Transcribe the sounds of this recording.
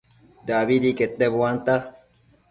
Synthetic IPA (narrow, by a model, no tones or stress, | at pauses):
d̪aːbid̪iket̪debwaːnt̪a